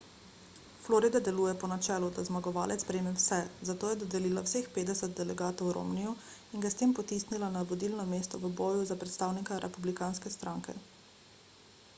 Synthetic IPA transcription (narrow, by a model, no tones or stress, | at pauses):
floɾid̪ad̪ɛluːjɛpɔnat͡ʃɛːlud̪azmaɡɔʋaːlɛt̪spɾemɛwsɛzat̪oːjɛd̪ɔd̪ɛliːlawsexpeːd̪ɛsət̪̚d̪ɛlɛɡaːt̪ɔwɾo̰mnijɔ | inɡast̪eːmpɔt̪isnilanaʋɔd̪ilnɔmeːst̪ɔʋəbɔːjuzapɾɛt̪st̪aːwnikaɾʔɛpublikaːnskɛst̪ɾaŋkɛ̰